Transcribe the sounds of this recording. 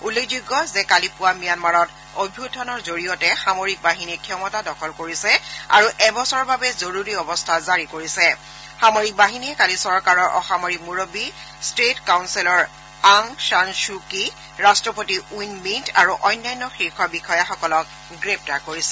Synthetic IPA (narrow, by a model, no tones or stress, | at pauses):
ulːekʰzuɡɔzɛkalipʊwamijanmaɹɔt | obʱutʰɔnɔɹzoɹijɔtɛxamoɹik̚baɦinikʰjɔmɔtadɔkʰɔlkoɹisɛa̰ɹuʔɛbɔsɔɹbabɛzoɹuɹiɔbɔstʰazaɹikoɹisɛ | xamoɹik̚baɦiniɛkalisɔɹkaɹɔɹʔɔ̰xamoɹimuɹobi | stetkawnsilɔɹ | aŋʃanʃuki | ɹastɹɔpotiujnmintʰaɹuʔɔjnːajnːɔxixɔbixɔjaxɔkɔlɔk̚ | ɡɹɛp̚taɹkoɹisɛ